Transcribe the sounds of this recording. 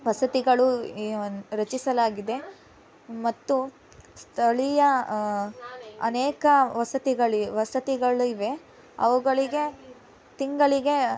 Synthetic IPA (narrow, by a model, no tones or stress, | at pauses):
ʋɐsɐt̪iɡɐɭu | ɾɐt͡ʃisɐlaːɡid̪e̞ | mɐt̪ːu | st̪ʰɐɭijɐ | ɐneːkɐʋɐsɐt̪iɡɐɭiʋɐsɐt̪iɡɐɭuiʋe | ɐ̰ʋɐɡɐɭiɡe̞ | t̪iŋɡɐɭiɡe̞